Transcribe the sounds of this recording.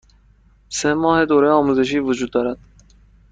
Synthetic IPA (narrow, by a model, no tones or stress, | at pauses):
semɔːhed̪oɾeɔːmuzeʃ̬iːvud͡ʒuːd̪̚ːɔːɾad̪̥